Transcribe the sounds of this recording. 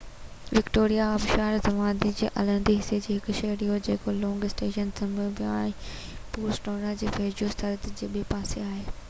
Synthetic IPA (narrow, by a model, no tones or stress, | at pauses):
ʋɪkʈoːɾijaɐbʃaːɾt̪ɐʋãːd̪id͡ʑeːʔɐ̰lə̃nd̪iɦɪsed͡ʑeːɦɪkʊʃɐɦɾiɦod͡ʑeːkolɔ̃ːŋɡɪsʈeːʃənsɐ̃mbʱəʋijaːɪ̃ | puːɾsʈoːɾnad͡ʑeːfeːd͡ʑost̪ʰɐɾət̪d͡ʑeːbɪpaːseaːɦeː